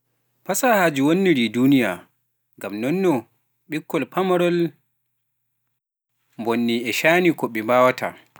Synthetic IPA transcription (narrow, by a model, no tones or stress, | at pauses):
pasahad͡ʒiwonːiɾiduːnija̰ | ŋɡamnɔnːɔ | ɓikːɔlpamɔɾɔl | mbonːiɛʃaːnikɔɓɛmbaːwatʰa̰